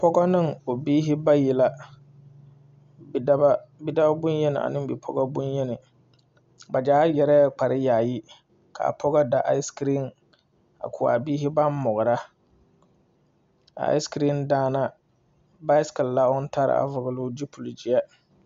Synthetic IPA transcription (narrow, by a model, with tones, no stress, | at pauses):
pʰɔ˦ɡa˦nɨ˦˨ŋo˨biː˦ɦɪ˦ba˦ji˨la˦ | da˦ba˦bi˦da˦ba˦bʊ˦njɛ˦nɪ˨ʔa̰˨nɨ̃˦mbi˨pʰɔ̰˦ɡa˦bʊ˦njɛ˦nɪ˨ | ba˨d͡ʒaː˦jɛ˨ɾɛ˦˨k͡pa˨ɾɪ˦jaː˨ji˦ | kʰa̰˨a̰˨pʰɔ˦ɡa˦da˨ʔa˦ɪ˦skɾi˦˨n | a̰˨kʰʊ˨a̰˨biː˦ɦɪ˦ba˦nmɔ˨ɣʊ˨ɾa˦ | a̰˨a̰˦ɪ˦skɾi˦ndaː˦na˦ | ba˦ɪ˦skɪ˨lla˦ʊ˦n˦tʰa˦ɾɪ̰˨a̰˨vʊ˨ɡɪ˨lʊ˦d͡ʒi˦pʰu˨ld͡ʒɪ˨a˦